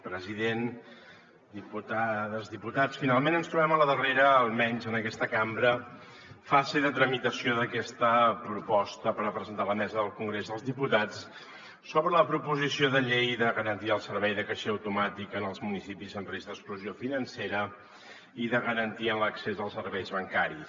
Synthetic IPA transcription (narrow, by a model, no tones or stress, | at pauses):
pɾəziðen | d̪iput̪aðəzðiput̪at͡sfinalˠmenənst̪ɾuβɛmələðəreɾəːlˠmɛɲzənəkɛst̪əkambɾə | fazeðət̪ɾəmit̪əsioðəkɛst̪əpɾupɔst̪əpəɾəpɾəzənt̪aləmɛzəðəlˠkuŋɡɾezðəlˠzðiput̪at͡s | soβɾələpɾupuzisioðəʎejðəɣəɾənt̪iəlˠsəɾβɛjðəkəʃeəwt̪umat̪ikənəlˠzmunisipizəmrezðəskluziofinənseɾə | iðəɣəɾənt̪iənləksezəlˠsəɾβɛjzβəŋkaɾis